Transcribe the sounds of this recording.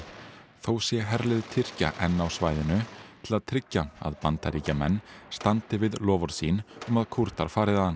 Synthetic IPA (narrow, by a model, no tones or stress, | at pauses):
θowsjɛɦɛɾlɪðʏt̪ʰɪr̥ca̰ʔɛnːawsvaːjðɪnʏt̪ʰɪlaðt̪ʰɾɪcːaa̰ðpant̪aɾiːcamɛ̰nːst̪ant̪ɪvɪðlɔːvɔɾ̥siːnɔmaðkʰuɾ̥t̪aɾ̥faːɾɪðaðan